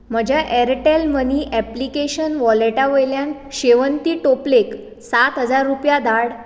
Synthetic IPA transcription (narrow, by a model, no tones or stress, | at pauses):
m̤əd͡ʑʱjaʔɛɾʈelməniʔɛplikeɕənʋɔleʈaʋəjljãn | ɕeʋənt̪iːʈoplek | sat̪ɦəd͡zaɾːupjad̪aɽ